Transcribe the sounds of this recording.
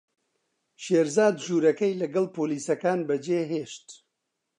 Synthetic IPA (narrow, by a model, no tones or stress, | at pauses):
ʃeːɾzaːd̪ʒuːɾɐkɐjlɐɡɐlˠpʰoːliːsɐkaːnbɐd͡ʒeːɦeːʃt̪